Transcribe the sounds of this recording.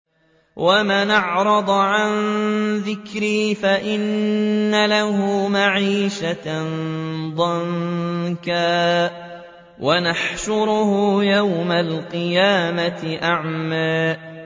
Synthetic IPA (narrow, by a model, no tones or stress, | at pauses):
wʔamanɑʕɾˤɑd̪ˤʕanðɪkɾiːfaʔɪnːalahʊmaʕiːʃa | d̪ˤɑŋkaː | wʔanaħʃʊɾʊhʊjawmalqɨjaːmaɪʔaʕmaːʔ